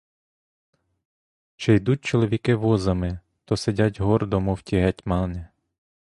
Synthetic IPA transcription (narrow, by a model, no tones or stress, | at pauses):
t͡ʃejd̪ut̚ʲt͡ʃɔlˠɔʋʲikɪʋɔzɐmɪ | t̪ɔsedʲatʲɦɔrd̪ɔmɔwtʲiɦɛtʲmɑnɛ